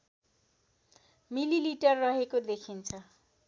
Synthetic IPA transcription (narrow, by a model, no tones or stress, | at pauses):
mililiʈʌrːʌɦekod̪ekʰint͡sʰʌ